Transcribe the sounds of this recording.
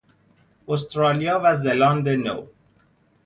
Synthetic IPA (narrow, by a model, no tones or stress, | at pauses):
ost̪ɾɑːlijɒːvæzelɑːnd̪eno̰w